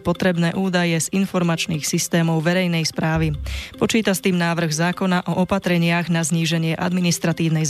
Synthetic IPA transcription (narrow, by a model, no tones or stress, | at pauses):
pɔt̪ɾɛbnɛːʔuːd̪ajɛzinfɔɾmat͡ʃniːxsist̪ɛːmɔʊʋɛɾɛjnɛjspɾaːʋipɔt͡ʃiːt̪ast̪iːmnaːʋr̩ɣzaːkɔnaʔɔʔɔpat̪ɾɛɲɪaɣnazɲiːʒɛɲɪɛʔa̰d̪minist̪ɾat̪iːʊnɛjz